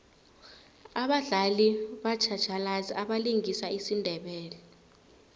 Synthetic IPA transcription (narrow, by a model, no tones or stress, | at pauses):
aɓaɮaliɓat͡ʃʰḁt͡ʃʰalaziaɓaliŋisaisindʱɛɓɛːlɛ